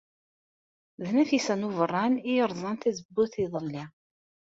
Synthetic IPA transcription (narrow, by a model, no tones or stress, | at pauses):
ðnæθisænuvərˤːɑnijəɾˤzˤɑnt̪æzəbːuθiðˤəlːi